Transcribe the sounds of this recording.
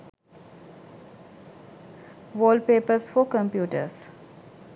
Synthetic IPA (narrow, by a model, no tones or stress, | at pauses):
ʋoːlpeːpəsfɔkə̃mpjuːʈə̰s